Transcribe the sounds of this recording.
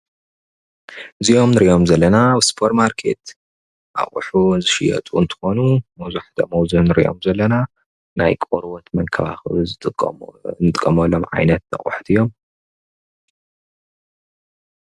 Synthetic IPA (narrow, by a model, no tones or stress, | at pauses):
ɨziʔo̞mnɨɾiʔo̞mzɐlːɐnawɨspʰoɾtmaɾkʰe̞̰t̪ | ʔa̰χʼṵħunzɨʃɪjɐ̰t̪ʼuɨnt̪ʰɨ̥xo̞numɐwzuħt̪ʰɐmɐwzuhnɨɾḭʔo̰mzɐlːɐna | na̰jkʼoɾwot̪mɐŋkʰɐβa̰xɨzɨ | nɨt̪ʼɨkʼːɐmɐlːomʕa̰jnɐt̪̚nɐ̰χʼʊ̰ħt̪ʰijːo̞m